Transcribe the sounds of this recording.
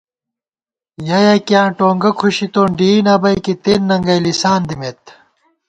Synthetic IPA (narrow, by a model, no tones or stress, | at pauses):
jɐjɐkjãːʈoːŋɡɐkʰuɕit̪oːɳɖiːnɐbɐjkit̪enːɐŋɡɐjlisaːnd̪imet̪